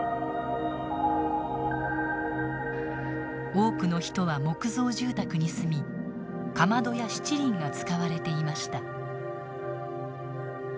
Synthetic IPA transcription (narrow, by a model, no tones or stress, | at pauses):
o̞ːkɯ̟no̞çi̥t̪o̞β̞amo̞kɯ̟zo̞ːʑɨːt̪akɯ̟ɲ̟isɨmʲi | kamad̪o̞jaɕi̥t͡ɕiɾʲĩŋɡat͡sɨ̥kaβaɾe̞t̪e̞imaɕi̥t̪a